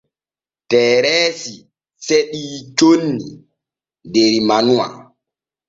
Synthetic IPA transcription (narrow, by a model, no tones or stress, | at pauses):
tɛːɾɛːsi | seɗiːt͡ʃonːḭ | deɾimanua̰